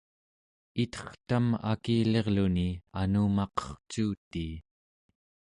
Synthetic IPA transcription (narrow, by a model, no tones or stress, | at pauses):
it̪ʌ̥χt̪ama̰kiːle̞ʁlunianuːmɑqʌ̥χt͡ʃuːt̪ːiː